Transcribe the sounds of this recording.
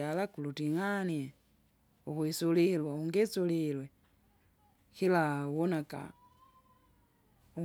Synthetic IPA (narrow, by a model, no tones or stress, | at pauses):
alakulutiŋanje | uxwisulilwauŋɡesulilwe | xilawonaka̰ | u